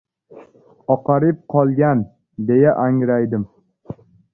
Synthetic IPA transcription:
ɒqɑɾɪp̚qʰɒlˠɡʲan | d̪e̞jaʔaŋɾajd̪ɪm

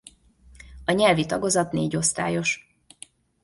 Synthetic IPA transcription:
ɒɲɛlvit̪ɒɡo̞zɒt̪neːɟo̞st̪a̰ːjo̞ʃ

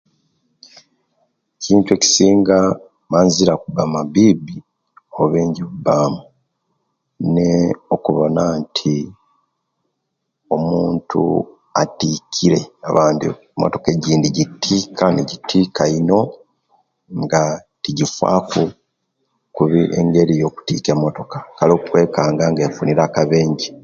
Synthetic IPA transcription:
eciːntwe̞ci̥siːŋɡa | manziɾakubamabiːbi | oβeːɲɟiβubaːma | neo̞kuβo̞nantʰi | o̞muːntʰṵ | atikʰiɾe̞̰a̰βaːndḭ | mo̰to̞keɟiːndiɟitːiːkaneɟitːikʰaino̞ | ŋɡa | tiɟifwa̰ːku | kuβiʔḛŋɡe̞ɾijo̞ːku̥tḭːke̞mːo̞to̞kḁkalo̞ːkukwe̞ːkaːŋɡaŋɡeːfuniɾakaβeːɲɟi

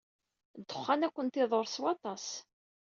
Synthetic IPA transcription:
d̪əχːænækʷːənt̪ɪðˤoɾˤswɑt̪ˤɑs

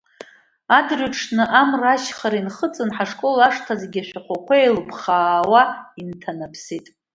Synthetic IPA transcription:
adrɥʈ͡ʂʰnɨʔamraʃχaɾinχət͡sʼɨnħaʂkʼolaʂtʰazeɡʲaʃᶣʷaχʷaqʷʰaelpʰχaːwaintʰanapʰsitʼ

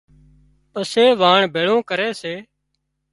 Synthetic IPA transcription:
pəseːʋaːɳbʱeːɭõːkəɾeːseː

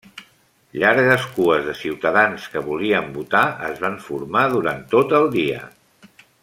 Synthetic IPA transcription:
ʎaɾɣəskuəzðəsiwt̪əðanskəβuliəmbut̪aəzβaɱfuɾmaðuɾant̪ot̪əlˠd̪iə̰

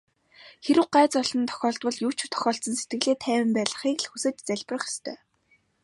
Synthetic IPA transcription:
xeɾɘ̆wɢæːt͡sɔɮɞ̆nt̪ʰɔ̥xʲɔːɮt̪wɞ̆ɮjuːt͡ɕɪ̆t̪ʰɔ̥xʲɔːɬt͡sə̆nset̪ɡɘ̆ɮeːt̪ʰæːwɘ̆mpæːɮə̆χiːkɮxusɘ̆t͡ɕt͡sæɮʲp̆rə̆χe̥st̪ʰœ̰ː

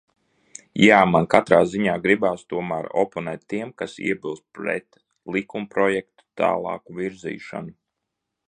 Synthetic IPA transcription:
jaːmankat̪ɾaːziɲaːɡɾibaːst̪uɔmaːɾɔ̰pɔnɛːt̪ːiɛmkasḭɛbilˠspɾɛ̰t̪ | lˠikumpɾɔjɛkt̪u̥t̪a̰ːlˠɑ̰ːkuviɾzḭːʃa̰nu

